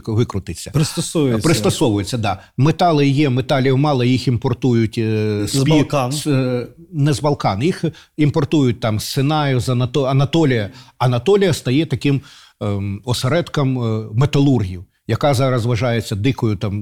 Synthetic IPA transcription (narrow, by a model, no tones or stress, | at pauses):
ʋɪkɾʊt̪ɪsʲːɐpɾɪst̪ɔsɔjpɾɪst̪ɐsɔʋʊjet͡sʲːɐd̪ɑ | met̪ɑlˠɪjɛmet̪ɑlʲiwmɑlˠɐjiximpɔrt̪ujʊtʲspʲin | nɛzbɐlˠkɑnjix | impɔrt̪ujʊt̚ʲt̪ɑmst̪senɑjʊzɐnɐt̪ɔɐnɐt̪ɔlʲɪjɐɐnɐt̪ɔlʲijɐst̪ɐjɛt̪ɐkɪm | ɔseɾɛt̪kɐmːet̪ɐlˠurɦʲijʊ | jɐkɑzɑɾɐzʋɐʒɑjet͡sʲːɐd̪ɪkɔjʊt̪ɑm